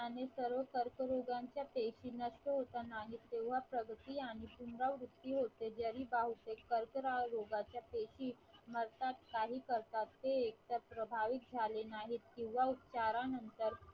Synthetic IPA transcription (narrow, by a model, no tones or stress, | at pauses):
anesəɾʋəkəɾkəɾoɡaɲt͡ɕjapeɕiːnəʂʈəɦot̪anaɦiːt̪ːeʋ̤apɾəɡʱət̪iaɽ̃ipunɾaʋɾut̪ːiɦot̪ed͡ʑəɾiːbaɦut̪ekəɾkəɾaɾoɡat͡ɕjapeɕiː | məɾt̪at̪kaɦiːkəɾt̪at̪ːeːkt̪əɾpɾəbʱaʋik̚d͡zʱalenaɦit̪kĩw̃ʋaut̪t͡ɕaɾanənt̪əɾ